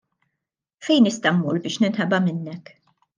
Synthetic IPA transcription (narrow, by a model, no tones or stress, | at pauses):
fɛjnɪst̪ɐmmuːɾbɪːʃnɪnħɐbɐmɪnːɛk